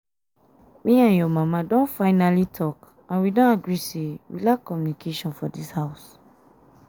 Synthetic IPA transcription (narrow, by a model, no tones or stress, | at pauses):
mĩãnjɔmãmãdõnfaɪnalitʰɔk | ãnwidɔ̃naɡɹisewḭlakɔmjũnikʰeʃɔ̃nfɔdishaʊs